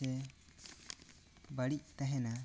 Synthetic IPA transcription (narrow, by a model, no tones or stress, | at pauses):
ɛ | baɽiʔ̚t̪aɦɛna